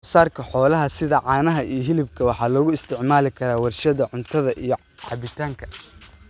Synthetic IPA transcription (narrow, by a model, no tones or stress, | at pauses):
ʊsaːrkʰɐħɔːlɐɦɐsɪðɐʕɑːnɐɦɐijɞɦɪlɪbkʰɐwɑħɑːlɔːɣʊɪst̪ʰɪʕmaːlɪkʰɐɾaːwɐrʃɐðɐʕʊnt̪ʰɐðɐʔijɞ | ʕɑ̰bɪt̪ʰaːŋkʰɐ̥